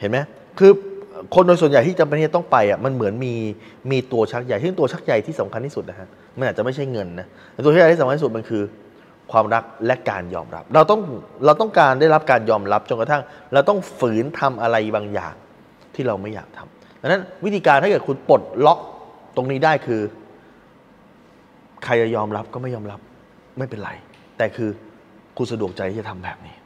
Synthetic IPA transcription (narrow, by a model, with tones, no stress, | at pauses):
he˩˦nma˦˥ | kʰɯː˧kʰo˧ndoː˧jsu˨˩ja˨˩jt̪iː˥˩t͡ɕa˧mpe˧nʰː˥˩t̪ɔ˥˩ŋpa˧jʔa˨˩ma˧nmɯ˩˦ənmiː˧ | miː˧t̪u˧ɐt͡ɕʰa˦˥k̚ja˨˧jsɯ˥˩ŋt̪u˧ɐt͡ɕʰa˦˥k̚ja˨˩jt̪ʰiː˥˩sa˩˦mkʰa˧nt̪ʰiː˥˩su˨˩n˦kʰʔ | ma˧nʔaː˨˩t̚t͡ɕa˨˩ma˥˩t͡ɕʰa˥˩jŋɤ˧nːa˦˥˩t̪u˧t͡ɕa˦˥ja˨˧iː˥˩˨k̪ʰi˦st̪ma˧nkʰɯː˧ | kʰwaː˧mɾa˦˥k̚lɛ˦˥ka̰ː˧njɔ̰ː˧mɾa̰˦˥p̚ɾa˧wt̪ɔ˥˩ŋɾa˧wt̪ɔ˥˩ŋkaː˧ndaː˥˩jɾa˦˥p̚kaː˧njɔː˧mɾa˦˥p̚t͡ɕo˧nka˧t̪ʰa˥˩ŋɾa˧wt̪ɔ˥˩ŋfɯː˩˦nt̪ʰa˧mʔa˧ɾa˧jbaː˧ŋja̰ː˨˩ŋ | t̪ʰiː˥˩ɾa˧wma˥˩jːa̰ː˨˩k̚t̪ʰa̰˧m | t̪ʰa˧na˦˥nwt̪ʰiː˧kaː˧nt̪a˥˩kːt̚kʰu˧npo˨˩t̪̚lɔ˦˥ʔ̚t̪o˧ŋniː˦˥daː˥˩jkʰɯː˧ | kʰa˧jt͡ɕa˨˩jɔː˧mɾa˦˥p̚kɔː˥˩ma˥˩jɔː˧mɾa˦˥p̚ | ma˥˩jpe˧nɾa̰˧j | t̪ɛː˨˩kʰɯː˧ | kʰu˧nsa˧du˨˩ək̚t͡ɕa˧j̪ʰiː˥˩t͡ɕa˨˩t̪ʰa˧mbɛ̰ː˨˩p̚niː˦˥